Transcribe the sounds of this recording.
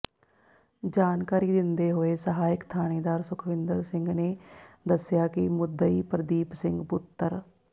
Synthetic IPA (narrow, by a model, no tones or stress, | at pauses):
d͡ʒaːnkaːɾiːd̪ɪnd̪eːɦoːeːsəɦaːɪkt̪ʰaːñeːd̪aːɾsʊkʰʋɪnd̪əɾsɪŋɡneːd̪əsɪjaːkɪmʊd̪əiːpəɾd̪iːpsɪ̃ŋɡpʊt̪ːəɾ